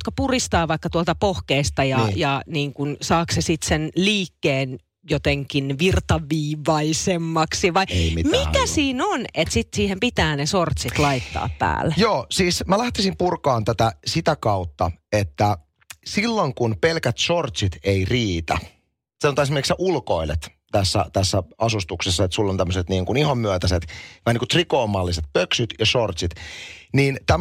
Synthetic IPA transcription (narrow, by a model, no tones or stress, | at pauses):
t̪kɑpurist̪ɑːʋɑikːɑt̪uolt̪ɑpohkeist̪ɑjɑjɑniːŋkunsɑːksesit̪senliːkːeːn | jot̪eŋkinʋirt̪ɑʋiːʋɑisemːɑksiʋɑiḛimimikæsiːnonet̪sit̪siːhempit̪æːnesort̪sit̪lɑit̪ːɑ̰ːppæ̰ːlːejoːsiːsmælæht̪æsimpurkɑːnt̪æt̪æsit̪ækɑut̪ːɑet̪ːæ | silːoŋkunpelkæt̪sort̪sit̪eiriːt̪æ̰ | seont̪ɑesimerikseʔulkoilḛt̪ | t̪æsːæ̰t̪æsːæɑsust̪uksesːɑet̪sulːont̪æmːøset̪niːŋkunihɑmːyæt̪æset̪æhniːŋkut̪rikoːmːɑlːiset̪̚pøksyt̪jɑsort̪sit̪niːnt̪æ